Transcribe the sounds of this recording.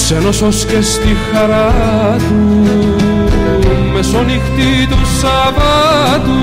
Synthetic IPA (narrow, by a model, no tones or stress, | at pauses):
senososkest̪ixaɾa | t̪u | mesonixt̪i | t̪usɑ | pɑ | t̪u